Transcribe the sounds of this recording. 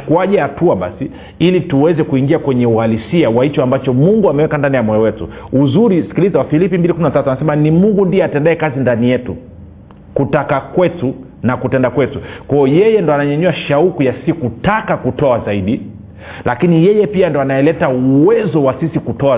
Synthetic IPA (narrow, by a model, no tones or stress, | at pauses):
kuaʄaatuaɓa̰si | ilituwɛzɛkuiŋɡiakwɛɲɛualisiawait͡ʃɔambat͡ʃɔmuŋɡuamɛwɛkandanijamɔjɔwɛtṵuzuɾisi̥kilizawafilipimbilikuminatatuanasɛmanimuŋɡundiɛatɛndaɛkazindanijɛtu | kutakakwɛtu | nakutɛndakwɛtukwajɔjɛjɛndɔanaɲɛɲuaʃaukujasikutakakutɔazaiɗi | lʔakinijɛjɛpiandɔanaɛlɛtauwɛzɔwasisikutɔa